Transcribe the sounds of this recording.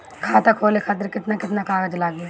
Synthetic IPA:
kʰãːt̪ɐkʰoːlekʰaːt̪̬ɪɾkɪt̪nakɪt̪nakaːɡəd͡ʒlaːɡe

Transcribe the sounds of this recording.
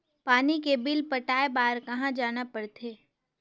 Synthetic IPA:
paːnikebɪlpɐʈaːebaːɾkɐɦãd͡ʒaːnapɐɽt̪ʰeː

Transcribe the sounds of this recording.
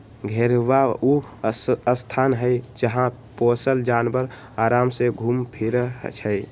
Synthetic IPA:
ɡʱeɾʋau | əst̪ʰaːnɦəɪd͡ʒəɦã | posəld͡ʒaːnbəɾ | aːɾaːmseɡʱuːmpʰiɾt͡ʃʰəj

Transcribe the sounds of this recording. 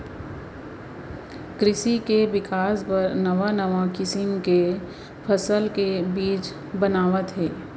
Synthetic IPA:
kɾɪʃikeʋɪkaːspɐɾnɐʋanɐʋakɪsɪ̃mke | pʰɐsəlkebiːt͡ʃ | bɐnaːʋət̪ɦɛː

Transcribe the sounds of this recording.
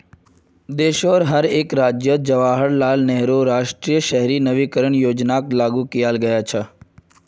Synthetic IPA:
d̪eːʃɔːɾɦəɾeːkɾaːd͡ʒjəd͡ʒəʋaːɦəɽnaːlnɛɦɾoːɾaːʃʈɾijəʃɛɦɾiːnəʋiːkəɾəɳjoːd͡ʒnaːklaːɡukijaːlɡəjaːt͡ʃʰa

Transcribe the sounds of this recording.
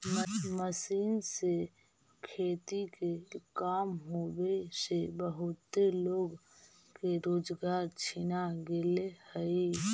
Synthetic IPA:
məsiːnse | kʰeːt̪ikekaːmɦoːbesebəɦʊt̪ːeloːɡ | keɾoːd͡ʒɡaːɾt͡ʃʰinaɡelehəi

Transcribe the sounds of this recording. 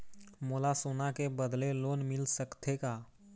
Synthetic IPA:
moːlasunakebəd̪leloːnmɪlsəkt̪ʰekaː

